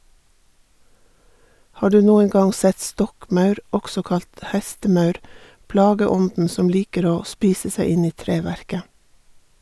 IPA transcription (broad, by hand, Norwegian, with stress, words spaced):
ˈhɑː ˈdʉː ˈnuːəŋ ˈɡɑŋ ˈsɛt ˈstɔkˌmɑʉɾ ˈɔksɔ ˈkɑlt ˈhɛstəˌmɑʉɾ ˈplɑːɡəˌɔndn̩ ˈsɔm ˈliːkəɾ ˈoː ˈspiːsə ˈsæɪ ˈɪn ˈiː ˈtɾeːʋæɾkə